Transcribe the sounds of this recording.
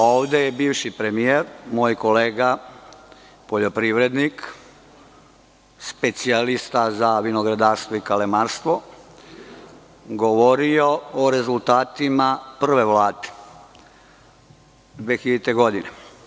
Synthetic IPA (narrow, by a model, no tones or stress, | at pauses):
oːʋd̪ejebiːʋʃipɾe̞mieɾmoːjko̞leːɡa | po̞ʎo̞pɾiʋɾe̞d̪nik | spe̞t̪sialist̪azaʋinoɡɾad̪aːɾst̪ʋoikalemaːɾst̪ʋo̞ | ɡo̞ʋoɾio̞oɾe̞zulˠt̪aːt̪imapr̩ʋe̞ʋlaːd̪e̥ | d̪ʋexilet̪eɡo̞d̪ine